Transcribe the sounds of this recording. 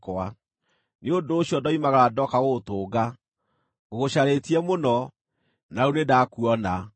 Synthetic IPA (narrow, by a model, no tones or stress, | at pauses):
koa | neondoːɕiɔdɔimaɣaɾadɔkaɣotoːɡa | ɣoɣoɕaɾetiɛmonɔ | naunedakuɔna